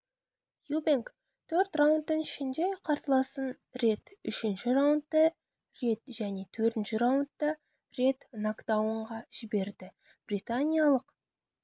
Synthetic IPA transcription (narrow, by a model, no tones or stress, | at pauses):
jubeŋk | t̪ʰɵɾt̪rawnt̪ːəŋɪʃɪnd̪e̞qʰɑɾt̪əlˠɑsən | ɾe̞t̪ʏʃɪnʃɪɾawʊnt̪ːə | re̞t̪ʒæne̞t̪ʰɵɾt̪ɪnʃɪɾawʊnt̪ːə | re̞t̪nokd̪awəɴʁɑʒ̥ɪbe̞ɾd̪ɪ | b̥rit̪anʲijalˠəq